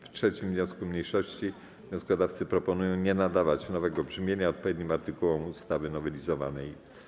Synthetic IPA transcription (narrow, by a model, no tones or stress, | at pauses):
ftʂɛt͡ɕimvɲɔ̃skumɲejʂɔɕt͡ɕi | vvɲɔ̃skɔd̪aft̪sɘpɾɔpɔnujɔ̃w̃ɲɛnad̪avat͡ɕnɔvɛɡɔbʐɘmʲjeɲaɔt̪̚pɔvʲed̪̚ɲimaɾt̪ɘkuwɔmust̪avɘnɔvɛlʲizɔva̰nɛj